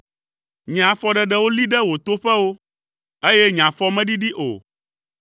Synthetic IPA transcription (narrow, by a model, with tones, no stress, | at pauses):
ɲ˨ã˨fɔ˦ɖɛ˨ɖɛ˦wo˦li˦ɖɛ˦wo˨t̪o˦ɸɛ˦wo˦ | e˦jɛ˦ɲã˨fɔ˦mɛ̃˦ɖi˦ɖi˦ʔo̰˨